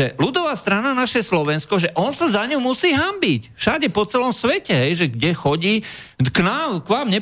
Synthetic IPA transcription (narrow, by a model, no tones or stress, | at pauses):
ɛlud̪ɔʋaːst̪ɾananaʃɛslɔʋɛnskɔʒɛʔɔnsazaɲumusiːɦambicfʃaɟɛpɔt͡sɛlɔmsʋɛcɛɦɛjʒɛɡɟɛxɔɟiː | knaːmkʋaːmɲɛ